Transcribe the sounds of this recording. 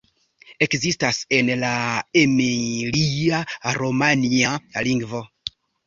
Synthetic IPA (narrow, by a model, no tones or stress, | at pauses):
e̞kzistase̞nlaemeliaɾomanialiŋɡvo̞